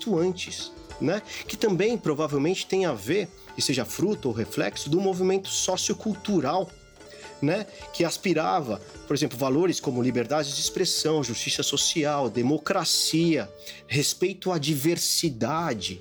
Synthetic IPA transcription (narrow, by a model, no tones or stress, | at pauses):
t̪uɐ̃nt͡ʃɪs | nɛkɪt̪ɐ̃mbẽj̃pɾovavewmẽnt͡ʃɪ̥t̪ẽj̃aveɾ | kɪseʒɐfɾut̪ʊowɦeflɛ̰ksʊd̪ʊmovimẽnt̪ʊ̥sɔsiʊkuwt̪uɾaw | nɛkɪaspiɾavɐ | poɾezẽmplʊvaloɾɪskõmʊlibeɾd̪ad͡ʒɪzd͡ʒɪspɾesɐ̃w̃ʒust͡ʃisɐsosiawd̪emokɾasiɐ | ɦespejt̪ʊad͡ʒiveɾsid̪ad͡ʒɪ